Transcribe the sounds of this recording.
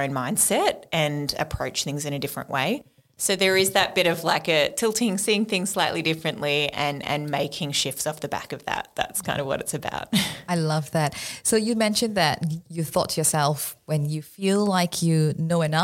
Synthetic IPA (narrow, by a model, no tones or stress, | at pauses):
ʊ̃nmãɪ̃nd̥sɛɾ̚ɨ̃nɨ̰pʰɹ̥oʊt͡ʃθɪ̃ŋzɨ̃ñɨdɪfɹɨ̰̃nʔwḛɪ | soʊðə˞ɨzðɨt̚b̥ɪɾʌvlaɪkɨtʰɪlˠtʰiɪ̃ŋ̥siɪ̃ŋθɪ̃ŋz̥slaɪʔˡlidɪfɹɨ̃nʔliɨ̃nɨ̰̃nmeɪkʰɪ̃ŋʃɪftsɔfðɨbæ̰kʌvðə̰t̚ðæ̰tskʰãɪ̃ndəvwʌ̰ɾɨtsɨba̰ʊt̚aɪlʌvðæt̚soʊjɨmɛ̃nʃɨ̃nðɨtjɨθɔ̰tʰjə˞sɛlˠfwɨ̃njɨfilˠlaɪkʰjɨnoʊɨnʌ